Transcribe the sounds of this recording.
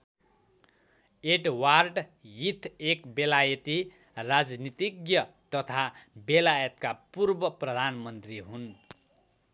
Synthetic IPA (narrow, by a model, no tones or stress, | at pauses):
eʈwarɖjit̪ʰekbelajʌt̪i | rad͡znit̪iɡjʌ | t̪ʌt̪ʰabelajʌt̪̚kapurbʌprʌd̪ʱanmʌnt̪riɦun